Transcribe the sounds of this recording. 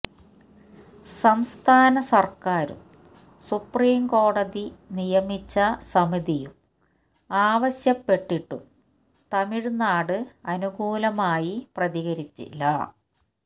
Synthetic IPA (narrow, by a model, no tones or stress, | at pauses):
sɐmst̪ʰaːnɐsɐrkaːɾṵm | supriːmko̞ːɽɐðinijɐmit͡ɕːɐsɐmiðijum | aːʋɐɕjɐpːe̞ʈːiʈːum | t̪ɐmiɻunːaːɽɨɐnuɡuːlɐmaːjiprɐðiɣɐɾit͡ɕːḭlːɐ̰